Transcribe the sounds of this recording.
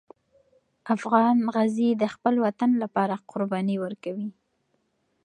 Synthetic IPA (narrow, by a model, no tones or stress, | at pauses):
afɣɑnɣaznid̪əxpəlwat̪anlapɑɾaqʰʊɾbɑniwəɾkawi